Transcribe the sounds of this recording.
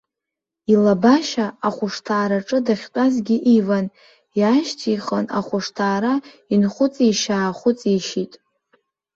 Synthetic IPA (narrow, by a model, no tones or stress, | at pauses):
ilabaʃaːχʷʊʂtʰaːɾaʈ͡ʂʼɨdaχʲtʼazɡʲɪʔivan | jaʃtʰiχəna̰χʷʊʂtʰaːɾa | inχʷʊt͡sʼiʃaːχʷʊt͡sʼiʃitʼ